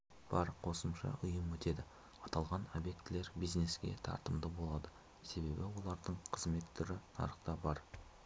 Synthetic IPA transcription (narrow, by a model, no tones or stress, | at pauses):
b̥ɑɾqʰo̞səmʃɑ̰ʔʊjəmwɵt̪e̞d̪ɪ | ɑt̪ɑlˠʁɑno̞bje̞k̚t̪ɪle̞ɾbijzne̞skʲe̞̰t̪ʰɑ̰ɾt̪əmd̪əbo̞lˠɑd̪ə | se̞be̞bɪwo̞lˠɑɾd̪əɴqʰəzme̞t̪ʰːʏɾɪnɑ̰ɾəqt̪ɑbɑɾ